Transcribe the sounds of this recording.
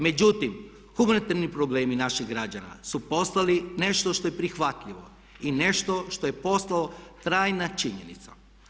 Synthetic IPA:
me̞d͡ʑut̪im | xumanit̪aɾnipɾo̞ble̞ːminaʃiɣɡɾad͡ʑana̰supo̞st̪aline̞ʃt̪o̞ʃt̪o̞jepɾixʋat̪ʎiʋo̰ | ine̞ʃt̪o̞ʃt̪o̞je̞po̞st̪alot̪ɾaːjnat͡ʃiɲenḭt̪sa̰

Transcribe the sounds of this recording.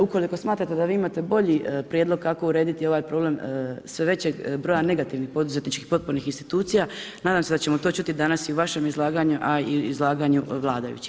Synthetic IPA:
uko̞liko̞smaːt̪ɾat̪e̞d̪aʋiːimat̪e̞bo̞ʎipɾjed̪lo̞ɡ̚kako̞uɾe̞ːd̪it̪io̞ʋaːjpɾo̞ble̞msʋeʋe̞t͡ɕeɡbɾo̞jane̞ɡat̪iʋnixpo̞d̪uze̞t̪nit͡ʃkixpo̞t̪̚poɾnixinst̪i̥t̪uːt̪sijanaːd̪aːmse̞d̪at͡ɕe̞mo̞t̪o̞t͡ʃut̪id̪anasiuʋaʃe̞mizlˠaːɡaɲuʔaiḭzlˠaːɡaɲuʋlˠaːd̪a̰jṵt͡ɕi̥

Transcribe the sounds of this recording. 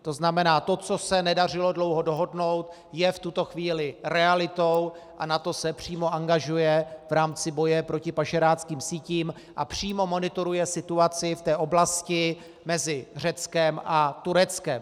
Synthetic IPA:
t̪o̞znamɛnaːt̪o̞t͡so̞sɛnɛdar̝ɪlo̞dlo̞wɦo̞do̞ɦo̞dno̞wt̪ | jɛft̪ut̪o̞xviːlɪɾɛalɪt̪o̞w | ʔanat̪o̞sɛpr̝̥iːmo̞ʔaŋɡaʒujɛvɾaːmt͡sɪbo̞jɛpɾo̞cɪpaʃɛɾaːt͡skiːmsiːciːm | ʔa̰pr̝̥iːmo̞mo̞nɪt̪o̞ɾujɛsɪt̪uat͡sɪft̪ɛːʔo̞blascɪ | mɛzɪr̝ɛt͡skɛmʔat̪uɾɛt͡skɛm

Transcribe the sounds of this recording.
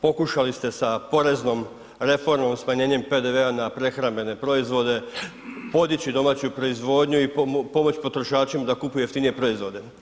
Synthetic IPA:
po̞kuʃalist̪e̞sapo̞ɾe̞zno̞m | ɾe̞fo̞ɾmo̞msmaɲe̞ːɲe̞mpe̞d̪e̞ʋe̞anapɾe̞xɾambe̞ne̞pɾo̞izʋo̞d̪e̞ | po̞d̪it͡ɕid̪o̞maːt͡ɕupɾo̞izʋo̞ːd̪ɲuipo̞mo̞t͡ɕpo̞t̪ɾo̞ʃaːt͡ʃimad̪akupujueft̪inije̞pɾo̞izʋo̞d̪e̞

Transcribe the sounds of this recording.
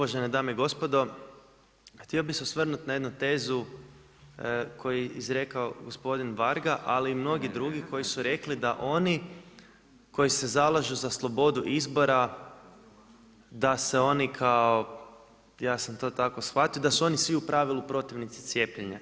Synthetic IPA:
uʋaʒened̪aːmeiɡo̞spod̪o̞ | xt̪io̞biseosʋr̩nut̪naje̞d̪nut̪e̞ːzu | kʰo̞jizɾe̞kaoɡospo̞d̪inʋaɾɡaʔaliːmno̞ɡid̪ɾuɡiko̞jisuɾe̞klid̪aʔo̞ni | ko̞jisezalˠaʒuzaslˠo̞bo̞d̪uʔizbo̞ɾa | d̪aseo̞nikʰao | jaːsamt̪o̞ːt̪ako̞sxʋat̪ijod̪asuo̞nisʋiupɾaʋilˠupɾo̞t̪iʋnit̪si̥t̪sje̞pʎeɲa

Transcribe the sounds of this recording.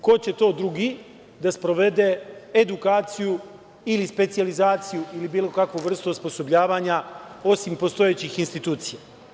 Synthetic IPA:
ko̞t͡ɕe̞t̪o̞ːd̪ɾuɡiː | d̪aspɾo̞ʋe̞d̪eːd̪ukaːt̪siju | ilispe̞t̪sijalizaːt̪sijuilibiːlo̞kakʋoʋr̩st̪ospo̞so̞bʎaːʋaːɲao̞simpo̞st̪o̞jet͡ɕixinst̪it̪uːt̪sija

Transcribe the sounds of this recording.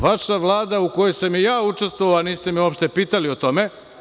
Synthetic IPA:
ʋaʃaʋlˠaːd̪aukojejsamijaːut͡ʂe̞st̪ʋooaniːst̪e̞miopʃt̪e̞piːt̪alio̞t̪o̞me̞

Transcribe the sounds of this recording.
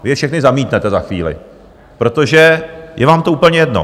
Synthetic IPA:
vɪɛfʃɛxnɪzamiːt̪nɛt̪ɛzaxʋḭːlɪ̰ | pɾo̞t̪oʒɛjɛvaːmt̪ouːpl̩ɲɛjɛdno̰

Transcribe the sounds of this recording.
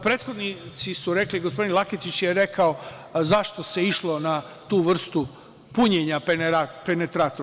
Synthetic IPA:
pɾeːt̪xo̞d̪nit̪sisuɾe̞kliɡospo̞d̪inlˠakit͡ʃ̪it͡ɕjeɾekʰao | zaʃt̪ose̞iʃlo̞na | t̪uːʋr̩st̪u | puɲeɲaenɾapenet̪ɾat̪oɾ

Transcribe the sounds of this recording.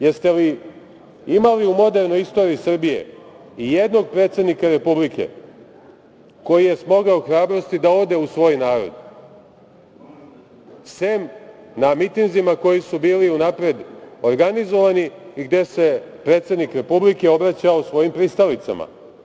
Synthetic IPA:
jeɾst̪e̞ʋi | imaliumo̞d̪e̞ɾnojist̪o̞ːɾiisr̩bije̞̰ | ijed̪no̞ɡ̚pɾet̪se̞d̪nikaɾe̞publikʰe̞̰ | ko̞jije̞smo̞ɡaoxɾaːbɾo̞st̪id̪ao̞d̪e̞usʋo̞ːjnaːɾo̰d̪ | semnamit̪inzimako̞jisubiːliunapɾe̞d̪oɾɡanizo̞ʋaniiɡd̪e̞se̞pɾet̪sed̪nikɾe̞publike̞o̞bɾat͡ɕaosʋo̞jimpɾist̪aʋlit̪sa̰ma̰

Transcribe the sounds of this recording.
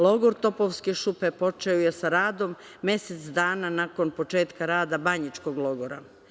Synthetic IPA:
lo̞ɡoɾt̪o̞po̞ʋskeʃupe̞po̞t͡ʃeojesaɾaːd̪o̞mː | je̞set̪sd̪aːnanako̞npo̞t͡ʃe̞ːt̪kaɾaːd̪abaɲit͡ʃko̞ɡlo̞ɡo̞ɾa̰

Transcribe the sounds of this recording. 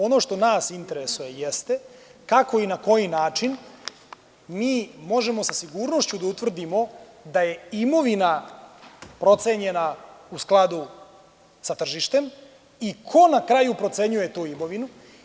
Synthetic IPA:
o̞no̞ʃt̪o̞naːsint̪e̞ɾesuje̞jest̪e̞kako̞inako̞jinaːt͡ʃin | miːmo̞ʒe̞mo̞sasiɡuːɾno̞ʃt͡ɕud̪aut̪ʋr̩d̪imo̞d̪aje̞imo̞ʋina | pɾo̞t̪se̞ɲe̞nausklˠad̪u | sat̪r̩ʒiʃt̪e̞m | ikʰo̞nakɾajupɾo̞t̪se̞ɲuje̞t̪uːimo̞ʋinu

